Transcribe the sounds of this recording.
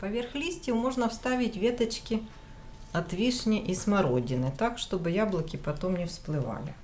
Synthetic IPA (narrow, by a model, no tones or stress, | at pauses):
pɐvʲerxlʲisʲtʲɪjʊmo̞ʐnɐfst̪avʲɪtʲvʲet̪ɐt͡ɕkʲɪ | ɐt̪vʲiʂnʲɪʔismɐɾodʲɪnɨt̪akʂt̪o̞bɨjablˠɐkʲɪpɐt̪omnʲɪfsplˠɨva̰lʲɪ̰